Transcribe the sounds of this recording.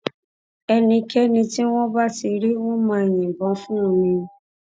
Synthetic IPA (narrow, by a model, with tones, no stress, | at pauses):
ɛ˧nĩ˧kɛ˦nĩ˧ti˦w̃ɔ̃˦ba˦ti˧ɾi˦w̃ɔ̃˦mãː˧˦e˨j̃ĩ˨bɔ̃˨˦fũ˦ũ˧˨mĩ˧